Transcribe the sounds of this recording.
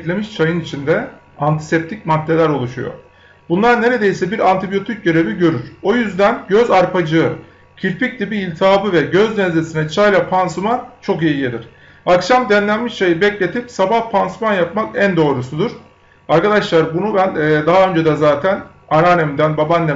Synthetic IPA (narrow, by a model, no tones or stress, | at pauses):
d̪lʲe̞miʃt͡ʃʰajɯnit͡ʃʰind̪ɛ | ant̪ʰi̥sep̚t̪ʰicmad̪ːe̞lʲæɾo̞lˠuʃṵjo̰ | bunlˠaɾne̞ɾe̞d̪e̞jisɛbiɾant̪ʰibijo̞t̪ʰic̚ɟøɾe̞viɟø̞ɾyɾ̥o̞jyzd̪ænɟøzaɾpʰad͡ʒɯɯ | cʰiɾpic̚d̪ʲibiːlʲt̪ʰaːbɯvɛɟøznɛzlʲesinɛt͡ʃʰajlˠapʰansumant͡ʃʰo̞kijijed̪ʲiɾ̥ | akʃamd̪ɛnlʲænmiʃt͡ʃʰajɯbɛclʲe̞t̪ʰipsabahpʰansumanjapmakænd̪o̞ːɾusud̪uɾ̥ | aɾkad̪aʃlˠaɾbunubænːd̪aɦaø̞nd͡ʒed̪ɛzaːt̪ʰæn | aɾaːnemind̪ænbabanlɛ